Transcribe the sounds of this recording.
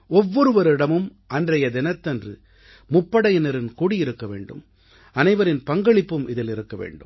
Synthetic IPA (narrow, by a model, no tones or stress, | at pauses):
ɔʋːɔɾɯʋɐɾɪɽɐmɯmʔɐndrɐjɐd̪ɪnɐt̪ːɐndrɯ | mʊpːɐɽɐjɪnɐɾɪnkuːɽijɪɾɯkːɐʋḛːɳɖɯ̰m | ɐnɐɪʋɐɾɪnpɐŋɡɐɭɪpːɯmʔɪðɪlɪɾɯkːɐʋḛːɳɖɯ̰m